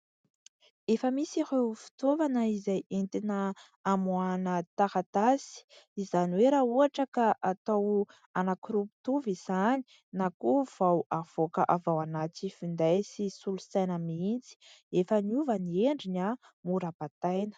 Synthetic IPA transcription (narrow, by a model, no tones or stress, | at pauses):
efəmisihefi̥t̪ovanəizajʔent̪inə | amuanət̪ahat̪asi̥izaniweɾauaʈ͡ʂəkaʔat̪aw | anakuɾupu̥t̪uviz̥ani̥ | nakov̥awav̥okəʔavawanat͡sifind̪ajsisulusajnəmiint͡si̥efəniuvənieɳɖ͡ʐina | muɾapat̪ajnə̥